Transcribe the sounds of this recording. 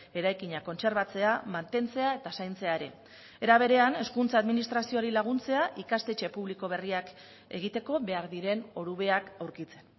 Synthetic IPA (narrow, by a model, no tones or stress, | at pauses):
e̞ɾajkiɲako̞nse̞ɾβat͡se̞amant̪e̞nt͡se̞ae̞t̪asajnt͡se̞aeɾe̞ | e̞ɾaβ̞e̞ɾe̞ane̞skunt͡saːðminist̪ɾasioɾilaɣ̞unt͡se̞aʔikast̪e̞t͡ʃe̞puβliko̞β̞e̞riak | e̞ɣ̞it̪e̞ko̞βe̞aɾðiɾe̞no̞ɾuβe̞akawɾkit͡se̞̥n